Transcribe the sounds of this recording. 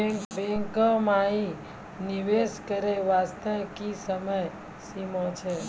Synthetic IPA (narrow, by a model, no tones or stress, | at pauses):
bɛ̃ŋkəmãi | niʋeskəɾeʋast̪əkisəməj | simot͡ʃʰe